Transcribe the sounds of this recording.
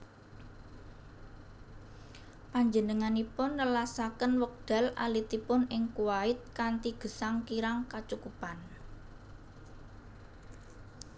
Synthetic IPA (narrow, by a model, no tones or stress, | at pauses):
paɲd͡ʒənəŋanipʊnːəlasakənwək̚d̪̥a̤la̰lit̪ipʊnɪŋkuwaɪt̪̚kant̪iɡ̥ə̤saŋkiɾaŋkat͡ʃukupan